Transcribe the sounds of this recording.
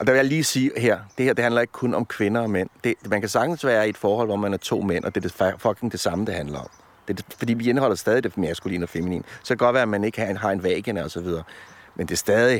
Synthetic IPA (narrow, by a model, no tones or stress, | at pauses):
ʔɒ̽d̥æ̈ʋe̝jaɪliːsiːɦeɐ̰d̥e̝heɐ̰de̝ɦænlɐe̝ɡ̥əkʰɔ̽nɒ̽mkʰʋe̝nɐɒ̽men̰d̥e̝mænkʰæsɑ̈ɡ̥dn̩sʋæːɐied̥fɒːhɒ̽l̰ʋɒmænæɐt͡sʰo̝̰ːmen̰ʔɒd̥e̝d̥e̝ffɒ̽ɡ̥eŋd̥e̝sɑ̈məd̥e̝hænlɐɒ̽m | d̥e̝fɒ̽d̥ḭːʋienəɦɒ̽l̰ɐsd̥ɛːðˠid̥emæsɡ̥ulḭːnɒfe̝minḭːnsɒ̽kʰæɡ̥ɒ̥ʋæːɐæmæne̝ɡ̥əhɑɦɑ̈e̝nʋɛ̰ːɡ̥ənɒ̽sɒ̽ʋið̞ˠɐːmend̥e̝sd̥ɛːð̞ˠi